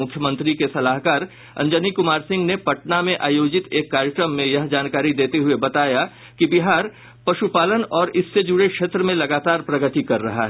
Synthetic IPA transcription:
ʊkʰːjəmə̃nt̪ɾikesɐlaːɦkaːɾ | ɐ̰̃ɲd͡ʒənikʊmaːɾsɪ̃ŋɡnepɐʈnamẽʔaːjoːd͡ʒɪt̪eːkːaːɾjəkɾəmːẽjɐɦd͡ʒaːnkaːɾid̪eːt̪eɦʊebɐt̪aːja | kibɪɦaːɾ | pɐʃupaːlənɔːɾɪsːed͡ʒʊɽekʃeːt̪ɾəmẽlɐɡaːt̪aːɾpɾɐɡət̪ikɐɾːɐ̰ɦa̰ɦɛ

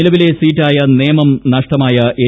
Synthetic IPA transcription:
ilɐʋile̞siːtːaːjɐneːmɐmnɐʂʈɐmaːjɐʔe

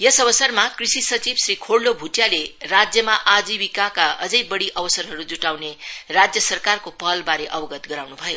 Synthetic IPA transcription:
jʌsʌbʌsʌrmakrisisʌt͡sibsrikʰoɽlːobʱuʈjalerad͡zjʌmaʔad͡zibikakaʌd͡zʌjbʌɽiʔʌbʌsʌrɦʌɾud͡zuʈawnerad͡zjʌsʌrkarkopʌlbaɾeʔʌbʌɡʌt̪ɡʌɾawnubʱʌjo

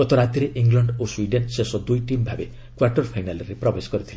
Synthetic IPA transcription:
ɔt̪ɔɾat̪iɾeʔiŋɡlɔɳɖoswiɖensesɔd̪ujʈimbʱabe | kwarʈɔɾpʰajnalɾepɾɔbeskɔɾit̪ʰila

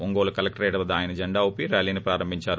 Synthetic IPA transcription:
oŋɡoːlɐkɐlɐk̚ʈɐɾeːʈɐʋɐd̪aːjɐnɐd͡ʒɐɳɖaːopiɾaːliːnipɾaːɾɐmbʱiɲt͡ʃaːɾu

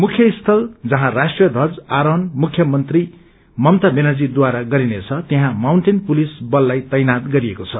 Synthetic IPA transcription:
mukʰjʌist̪ʰʌld͡zʌɦãrasʈrijʌd̪ʱʌd͡zaɾʌnmukʰjʌmʌnt̪ri | mʌmt̪abenʌd͡zid̪waɾaɡʌɾinet͡sʰʌt̪eɦãmawɳʈenpulisbʌlːajt̪ʌjnat̪ɡʌɾiekot͡sʰʌ

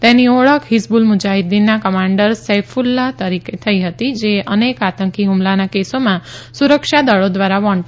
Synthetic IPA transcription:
t̪enioɭəkʰɦisbulmud͡ʒaɦid̪inːakəmãɳɖəɾsefʰulːat̪əɾiket̪ʰəiɦət̪id͡ʒeənekat̪əŋkiɦumlanakesomãsuɾəkʃad̪əɭod̪ʋaɾaʋɔɳ

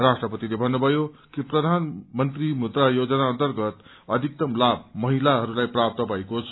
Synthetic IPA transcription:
rasʈrʌpʌt̪ilebʱʌnːubʱʌjokiprʌd̪ʱanmʌnt̪rimud̪rajod͡zʌnaʌnt̪ʌrɡʌt̪ | ʌd̪ʱik̚t̪ʌmlab̚mːʌɦilaɦʌɾulajprap̚t̪ʌbʱʌekot͡sʰʌ

